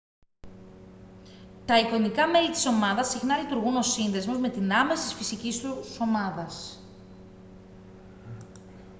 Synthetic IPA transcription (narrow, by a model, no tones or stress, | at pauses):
t̪ɐikonikɐme̞lit̪i̥so̞mɐðɐsixnɐlit̪uɾɣuno̞sinðe̞zmo̞zme̞t̪inɐme̞sit̪isfisicist̪uso̞mɐðɐs